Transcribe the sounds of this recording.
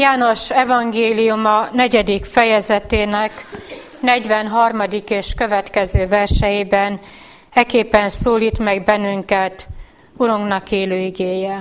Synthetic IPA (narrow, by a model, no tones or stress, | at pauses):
jaːno̞ʃɛvɒŋɡeːlijumɒnɛɟɛd̪ikfɛjɛzɛt̪eːnɛk | nɛɟʋɛnɦɒrmɒd̪ikeːʃkøvɛt̪kɛzøːvɛrʃɛjibɛn | ɛkeːpɛnsoːliːt̪mɛɡbɛnːyŋkɛt̪ | uɾuŋɡnɒkeːløːiɡeːjɛ